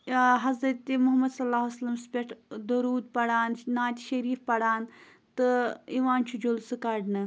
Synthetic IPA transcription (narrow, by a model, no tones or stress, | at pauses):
ɦɐzɾɐt̪imʊɦɐmɐd̪sɐlaːɦsɐlɐmspʲeʈʰd̪oɾuːd̪̚pɐɽaːnnaːt̪ʲʃɐɾiːfpɐɽaːn | t̪ɨiʋaːnt͡ʃʰud͡ʒolsɨkaɖnɨ